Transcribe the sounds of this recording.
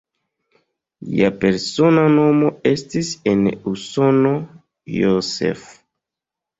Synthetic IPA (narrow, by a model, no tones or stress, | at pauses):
lḭape̞ɾso̞nano̞mo̞e̞stisenuso̞no̞ | josḛf